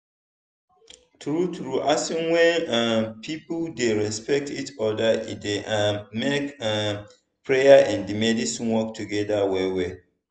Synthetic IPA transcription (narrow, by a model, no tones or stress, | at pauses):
tɹutɹuʔasĩnwɛ̃napʰipldeɹɛspɛk̚titɔdaḭdeʔameka | pʰɹejaʔɛ̃ndimɛdisĩnwɔk̚tʰuɡɛdawɛwe